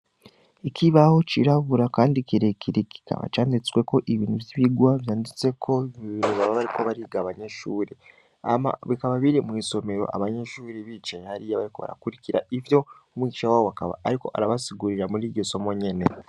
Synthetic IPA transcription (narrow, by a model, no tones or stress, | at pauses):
ikʰiβaho̞t͡ʃḭɾaβuɾakaːndikiɾekʰiɾeki̥kʰa̰βa̰t͡ʃaːndit͡swe̞ko̞ʔiβiːnuvjiβiɡwaβjaːndit͡se̞kʰo̞iβiːnuβaβaβaɾiko̞βaɾiɡaːβaɲeʃuːɾe | a̰ma̰βikaβaβiɾemŋiso̞me̞ɾo̞̰ʔa̰βaɲeʃuːɾeβit͡ʃehaɾijaβaɾiko̞βa̰ɾa̰kuɾikiɾa̰ʔivjo̞ | umwiːiʃawaːwoβakaβa̰ːɾiko̞̰ʔa̰ɾaβasiɡuɾiɾamuɾiɟeso̞moɲe̞ne